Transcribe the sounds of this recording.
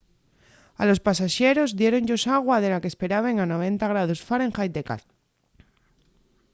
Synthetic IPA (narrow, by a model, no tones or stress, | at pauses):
a̰lo̞spasaʃe̞ɾo̞zðje̞ɾo̞ɲʎo̞saɣ̞waðe̞lakespe̞ɾaβ̞eŋano̞β̞e̞nt̪aɣ̞ɾaðosfaɾeŋxajd̪eka̰θ